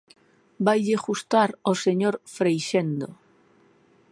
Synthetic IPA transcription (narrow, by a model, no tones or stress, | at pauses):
bajʎeɣust̪aɾoseɲoɾfɾejʃend̪o̰